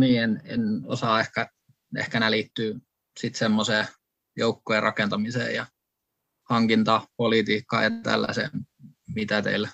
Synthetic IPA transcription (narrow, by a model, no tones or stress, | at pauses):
niːenḛno̰sɑːehkæ | ḛhkænælit̪ːyː | sit̪semːoseː | joukːoerʔɑ̰kent̪ɑmisḛːjɑ | hɑŋkint̪ɑpolit̪iːkːɑ̰ːjɑt̪æ̰lːæ̰sḛːmmit̪æt̪ḛilːæ